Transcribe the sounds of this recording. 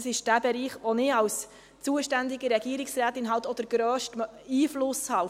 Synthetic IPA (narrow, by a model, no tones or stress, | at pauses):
sɪʃd̥æbɛɾiːχʋɔnɪɑws | t͡suəʃtænd̪ɪɡəɾɛɡ̥iəɾɪksræːt̪ɪnɦɑwt̪ɔd̪̥əɾɡ̥ɾœːʃtiːflʊshɑ